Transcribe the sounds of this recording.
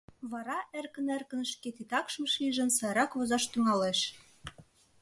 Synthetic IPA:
βɑɾɑʔærkə̆nærkə̆nʃket̪it̪ɑkʃmɤ̆ʃliʒə̆nsɑjɾɑkβozɑʃt̪yŋɑleʃ

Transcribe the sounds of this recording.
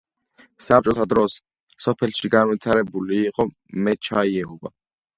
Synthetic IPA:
sap̚t͡ʃʼɔt̪ʰad̪ɾɔs | sɔpʰɛlʃiɡanwit̪ʰaɾɛbuliːqʼɔ | mɛt͡ʃʰaiɛɦuba

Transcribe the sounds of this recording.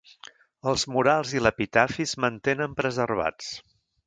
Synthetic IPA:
əlˠzmuɾalˠziləpit̪afizmənt̪enəmpɾəzərβ̞a̰t͡s

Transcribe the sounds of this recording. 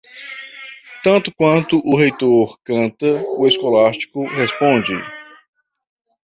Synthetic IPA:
t̪ɐ̃nt̪ʊkwɐ̃nt̪ʊʔʊɦejt̪oɾkɐ̃nt̪ɐʊeskolast͡ʃi̥kʊhespõd͡ʒɪ̰

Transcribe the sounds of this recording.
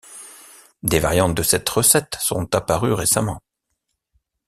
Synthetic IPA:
d̪evaʁjɑ̃t̪̚d̪əsɛt̪ʁəsɛt̪sɔ̰̃t̪apaʁyʁesamɑ̃

